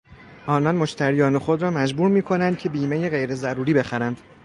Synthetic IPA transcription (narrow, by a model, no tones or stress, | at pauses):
ʔɒːnɒːnmo̞ʃt̪ʰæɾijɒːne̞xod̪ɾɒːmæd͡ʒbuːɾmiːkʰo̞nænd̪̚cʰe̞biːmejeɣe̞jɾe̞zæɾuːɾiːbe̞xæɾænd̪̥